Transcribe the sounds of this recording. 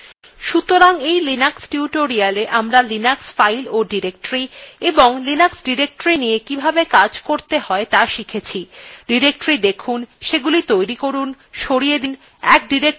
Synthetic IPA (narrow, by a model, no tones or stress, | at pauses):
ʃut̪oɾaŋejlinaksʈiuʈoɾialeʔamɾalinaksfajloɖiɾek̚ʈɾieboŋlinaksɖiɾek̚ʈɾinijekibʱabekad͡ʑkoɾt̪eɦɔet̪aʃikʰet͡ɕʰiɖiɾek̚ʈɾid̪ekʰunʃeɡulit̪ojɾikoɾun | ʃoɽijed̪in | ɛk̚ɖiɾek̚